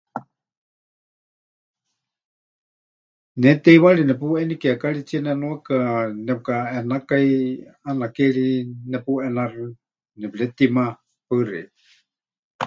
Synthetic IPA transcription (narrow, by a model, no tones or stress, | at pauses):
nɛt̪ɛiwaɺinɛpuɛnikɛakaɺit͡sianɛnuakanɛukaɛnakajanakeɺinɛpuʔɛnarɨ | nɛplɛt̪ima | pəɾɛ̰